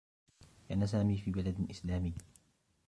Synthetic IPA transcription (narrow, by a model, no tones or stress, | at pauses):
kaʔanas̬aːmiːfiːbalad̪ʔɪslaːmiː